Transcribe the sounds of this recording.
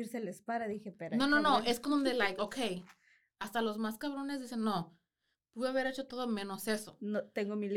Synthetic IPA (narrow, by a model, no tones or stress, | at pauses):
iɾselespaɾaðixepeɾanononoeskond̪ond̪elajkokʰej | ast̪alo̞zmaskaβ̞ɾo̞nezðise̞nːo | puðeaβe̞ɾet͡ʃo̞t̪o̞ðo̞mẽ̞no̞se̞so̞not̪eŋɡomil